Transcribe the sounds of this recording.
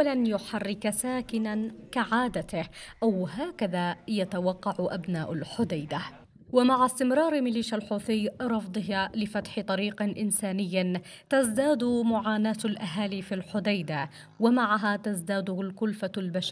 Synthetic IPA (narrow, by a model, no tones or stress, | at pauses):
ʔaalanjʊħarːɪksaːkɪnankaʕaːd̪at̪ɪhʔawɦaːkaðaːjat̪awɑqːɑʕʊʔabnaːʔalħʊd̪ajd̪a | wamaʕast̪ɪmɾˤɑːɾmɪliːʃalħuːθijɾˤɑfd̪ˤɨɦalɪfat̪ħɪt̪ˤɑɾiːqʔɪnsaːnɪjːa | t̪azd̪aːd̪ʊmʊʕaːnaːt̪alʔaɦaːlifilħʊd̪ajd̪a | wamaʕaɦat̪azd̪aːd̪ʊalkʊlfalbaʃ